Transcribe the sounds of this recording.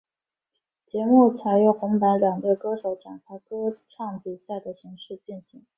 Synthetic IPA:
t͡ɕjɛ˧˥mu˥˩t͡sʰa˨˩ɪɥɛ˧˥˩xʊ˧˥ŋpa˧˥nljɑ˨˩ŋt̪ə˥˩kɤ˥ʂo˧˥ʊʈ͡ʂa˨˩nkʰa˥ɪkɤ˥ʈ͡ʂʰɑ˥˧ŋpi˧˩ɕja˥˩d̪ə˩ɕi˧˥ŋʂɻ̩˥˧t͡ɕi˥˩nɕi˧˥ŋ

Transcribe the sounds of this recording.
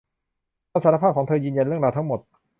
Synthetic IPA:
a˧˥saː˨˦˥ɾa˧˥a˥˩kʰɔ˩˦ŋt̪ʰɤː˧jɯː˧nja˧nɾɯ˥˩ŋɾaː˧wt̪ʰa˦˥ŋmo˨˩t̪̚

